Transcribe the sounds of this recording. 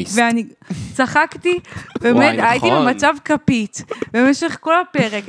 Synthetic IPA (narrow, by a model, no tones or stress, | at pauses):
veanit͡saχakt̪ibemet̪ait̪ibemat͡savkapitbemeʃe̞χko̞lape̞ʁek